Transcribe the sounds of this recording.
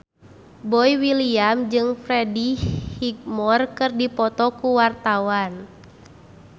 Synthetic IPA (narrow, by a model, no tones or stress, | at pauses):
bɔiwiliamd͡ʒɨŋfɾɛdihik̚mɔrkɨrdipɔt̪ɔkuwart̪awan